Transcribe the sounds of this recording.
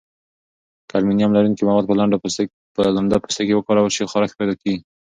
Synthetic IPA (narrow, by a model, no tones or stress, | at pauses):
kalminijɑmlaɾunkimawɑd̪̚pəlaɳɖa | pəlaɳɖapu̥st̪akewəkɑɾawəʃixɑɾaxpajd̪ɑkeɡi